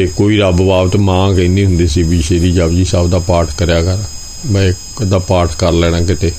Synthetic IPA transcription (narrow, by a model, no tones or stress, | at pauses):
ekoːiːɾəbbaːbət̪mãːkə̃niːɦʊ̃nd̪iːsiːbiːʃeːɾiːd͡ʒəbd͡ʒiːsəbd̪aːpaːɾʈʰkəɾjaːkəɾ | bə | d̪aːpaːɾʈʰkəɾlɛːɽ̃ãːkɪt̪eː